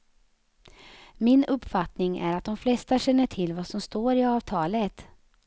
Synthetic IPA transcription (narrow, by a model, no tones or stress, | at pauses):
mɪnɵpːfat̪nɪŋæ̰ɾat̪̚d̪ɔmflɛst̪aɕɛnːəʈʰɪlːvasɔmst̪oːɾɪɑːvt̪ʰɑːlət̪